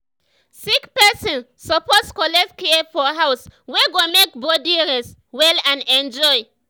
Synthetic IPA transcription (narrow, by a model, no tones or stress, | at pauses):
sikpɛsɔ̃n | sɔpɔtskɔlɛk̚tkefɔɦawsweɡomek̚bodiɹɛswɛlãnɛ̃nd͡ʒɔɪ